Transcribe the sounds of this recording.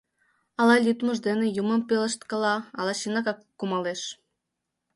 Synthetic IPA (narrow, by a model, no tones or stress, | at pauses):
ɑlˠɑlʲyt̪mə̆ʒd̪enĕjumə̆mpelə̆ʃt̪kəlɑɑlˠɑʃinɑkɑkːumɑleʃ